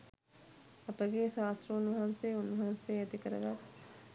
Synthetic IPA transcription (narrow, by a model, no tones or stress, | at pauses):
ɐpəɡeʃaːst̪ɾəunʋɐɦanseunʋɐɦansejɐt̪ikəɾə̰ɡa